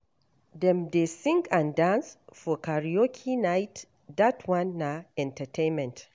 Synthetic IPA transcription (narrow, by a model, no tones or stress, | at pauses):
dɛmdesɪ̃ŋkãndãnsfɔkaɾijokʲʰinajt | datʰwãnːaʔɛ̃ntɐtʰenmɛ̃nt